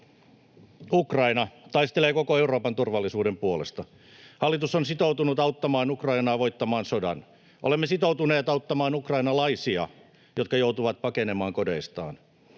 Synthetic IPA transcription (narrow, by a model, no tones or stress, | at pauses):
ukrɑinɑt̪ɑist̪eleːkokoe̞uro̞ːpɑnt̪urʋɑlːisuːdempuolḛst̪ɑ | hɑlːit̪usonsit̪owt̪unut̪ɑut̪ːɑmɑːnukrɑinɑːʋo̞jt̪ːɑmɑːnsodɑ̰n | ʔo̰lemːesit̪out̪uneːt̪ɑwt̪ːɑmɑːnukrɑjnɑlɑisiɑ̰ | jot̪kɑjout̪uʋɑt̪̚pɑkene̞mɑːŋkode̞ist̪ɑ̰ːn